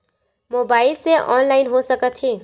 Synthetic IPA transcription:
mobaːɪlseʔɔ̰nlaɪnɦosəkət̪ʰi

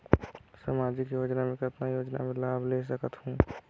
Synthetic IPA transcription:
saːmaːd͡ʒɪkjoːd͡ʒnamẽkət̪najoːd͡ʒna̰mẽlaːbʱles̬əkət̪hũː

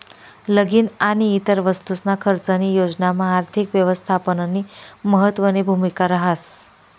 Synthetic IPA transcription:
ləɡiːnaniːt̪əɾʋəst̪usnakʰəɾt͡sənijod͡znamaːɾt̪ʰikʋjəʋəst̪ʰapənənːiməɦət̪ʋənibʱumikaɾəɦas

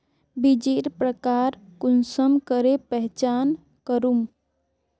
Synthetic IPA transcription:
bid͡ʒiɾpɾəkaɾkunsəmkəɾepɛɦt͡ʃaːn | kəɾum

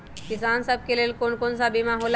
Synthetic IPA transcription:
kisansəb̚kelelkoɳkonsabimãɦol

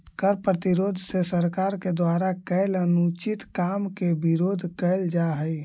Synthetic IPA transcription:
kəɾpɾət̪iɾod̪ʱsesəɾkaɾked̪waɾakəɪlənut͡ʃit̪kamkebiɾoːd̪ʱkəɪld͡ʒaɦəj

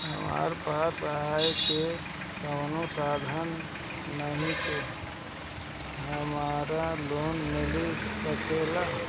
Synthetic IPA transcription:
ɦə̰ma̰ːɾpaːsaeke | kəʊnosaːd̪ʱənː | əɦĩke | ɦəmaːɾaloːnmɪlikət͡ʃeːla

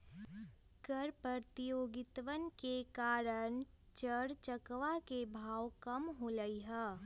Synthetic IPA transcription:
kəɾpət̪ijoːɡɪt̪ʋənkekaːɾəɳt͡ʃəɽt͡ʃəkʋakebʱaːwkəmɦoləiɦɛː

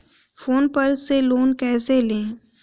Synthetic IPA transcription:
foːnpɐɾseloːnkɛːselẽː

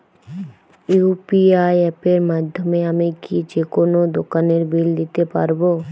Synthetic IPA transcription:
jupiajepeɾmad̪ʱjomeamikid͡ʒekonod̪okaneɾbʱild̪it̪epa̰ɾbo

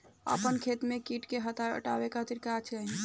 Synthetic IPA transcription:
ə̰pənkʰet̪mekiʈkeɦət̪aə̰ʈawekʰat̪iɾkat͡ʃʰaɦi

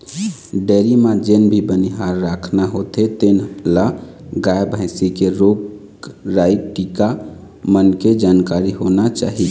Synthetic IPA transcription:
ɖeɾimãd͡ʒenbʱibəniɦaɾːakʰnaɦot̪et̪enla | ɡajbʱə̃ɪsikeɾoɡ | ɾaiʈika | mənked͡ʒankaɾiɦonat͡ʃa̰ɦi

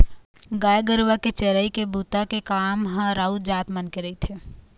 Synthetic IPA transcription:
ɡaːjɡəɾʋaket͡ʃɛɾəikebuːt̪akekaːmɦə̃ɾaːud͡ʒaːt̪mənkeɾɐit̪ʰe

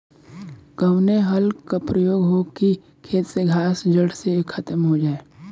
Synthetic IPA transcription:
ɡəwneɦɐlkapɾəjoːɡɦoːki | kʰeːt̪seɡʱaːsd͡ʒəɽsekʰət̪əmɦod͡ʒaːeː

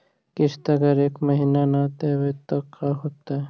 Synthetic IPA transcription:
kɪst̪ɐɡəɾeːkməɦiːnanat̪ewet̪əkʰːaɦoːt̪aɛ

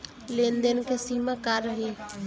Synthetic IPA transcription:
lend̪ənkʰesiːmakaɾəɦe

